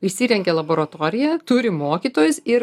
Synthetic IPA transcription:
ɪʃʲsʲiːɾʲɛŋʲɡʲɛlˠɐboːɾɐt̪oːɾʲɪjɛt̪ʊɾʲɪmoːkʲiːt̪oːjʊsɪɾ

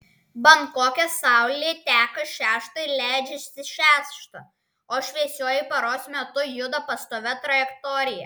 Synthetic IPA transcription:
bɐŋkoːkʲɛsɑˑʊlʲeːt̪ʲæːkɐʃʲæːʃt̪ɐɪlʲæˑɪd͡ʒʲɛsʲɪʃʲæːʃt̪ɐ | oːʃʲʋʲɛsʲoɔjɪpɐɾoːsʲmʲɛt̪ʊjʊd̪ɐpɐst̪oːʋʲɛt̪ɾɐjɛkt̪ɔːɾʲɪjɛ̰

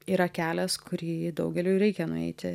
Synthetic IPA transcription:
iːɾɐkʲæːlʲɛskʊɾʲiːd̪ɒʊɡʲɛlʲuːɾʲɛɪkʲɛnʊ̰ɛ̰ɪt̪ʲɪ

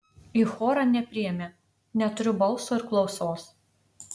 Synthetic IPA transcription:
ixoːɾɑnʲɛpʲɾʲɪjɛmʲe | nʲɛt̪ʊɾʲʊbɐlˠsoːɪɾklˠɒʊsoːs

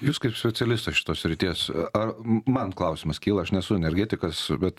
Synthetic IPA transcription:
juːskɐɪpsʲpʲɛt͡s̪ʲɛlʲɪst̪ɐʃʲɪ̥t̪oːssʲɾʲɪt̪ʲiɛsɐɾmɐnklˠɐʊsʲɪmɐskʲiːlˠɐɐʃnʲɛsʊɛnʲɛɾʲɡʲæːt̪ʲɪkɐsbʲɛt̪

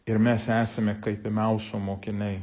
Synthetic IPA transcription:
ɪɾmʲɛsæːsɐmʲɛkɐɪpʲɪmʲɛʊsʲomoːkʲɪnʲɐɪ

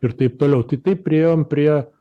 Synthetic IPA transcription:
ɪɾt̪ɐɪp̚t̪oːlʲɛʊt̪ɐɪt̪ɐɪp̚pʲɾʲɪeːjoːmpʲɾʲiɛ

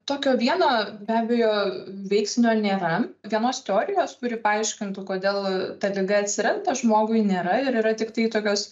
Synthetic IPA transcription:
t̪oːkʲoːʋʲiɛnoːbʲæːbʲɛjoːʋʲɛɪksʲnʲʊɐnʲeːɾɐʋʲiɛnoːst̪ʲɛoːɾʲɪjoːskʊɾʲɪpɐɐɪʃʲkʲɪnt̪ʊkoːd̪ʲeːlˠt̪ɐlʲɪɡɐɐt̪ʲsʲɪɾɐnt̪ɐʒmoːɡʊɪnʲeːɾɐɪɾiːɾɐt̪ʲɪkt̪ɐɪt̪oːkʲoːs

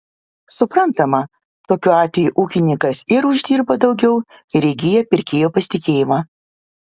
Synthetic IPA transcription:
sʊpɾɐnt̪ɐmɐ | t̪oːkʲuːɑːt̪ʲʋʲɛjuʔuːkʲɪnʲɪŋkɐsɪɾʊʒʲd̪ʲiːɾbɐd̪ɒʊɡʲɛʊɪɾʲɛɪɡʲɪːjɛpʲɪɾʲkʲeːjoːpɐsʲɪ̥t̪ʲɪkʲeːjɪmɑː

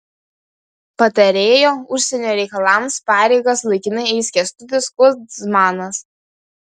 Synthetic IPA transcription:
pɐt̪ɐɾʲeːjoːʊʃʲsʲɛnʲoːɾʲɛɪkɐlˠɑˑmspɑːɾʲɛɪɡɐslˠɐɪkʲɪnɐɛɪsʲkʲɛst̪ʊt̪ʲɪskuzmɑːnɐs

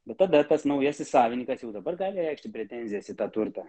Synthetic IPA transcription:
bʲɛt̪t̪ːɐd̪ɐt̪ɐsnɐʊjɛsʲɪsɑːʋʲɪnʲiːkɐsjɛʊd̪ɐbɐrɡɑːlʲɪɾʲɛɪkʃt̪ʲɪpʲɾʲɛt̪ʲɛnʲzʲɪjɛsɪt̪ɑːt̪ʊɾt̪ɑ

